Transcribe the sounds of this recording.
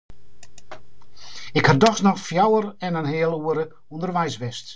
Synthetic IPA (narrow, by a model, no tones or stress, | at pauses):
ɪkhadɔxsnɔxfjawərɛnənɦɪːəlˠuəɾə | ɔndərʋɛjsʋɪst